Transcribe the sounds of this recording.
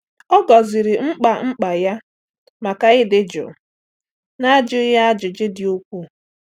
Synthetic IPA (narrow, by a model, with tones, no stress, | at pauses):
ɔ˦ɡɔ˨zɪ˨ɾɪ˨ŋ͡m̩˦k͡pa˨ŋ͡m̩˦k͡pa˨ja˦ | ma˨ka˦ɪ˦dɪ˦d͡ʒʊ̰˨ | na˦d͡ʒʊ˦ja˦a˦d͡ʒʊ˨d͡ʒɪ˦dɪ˨u˦kʷu˦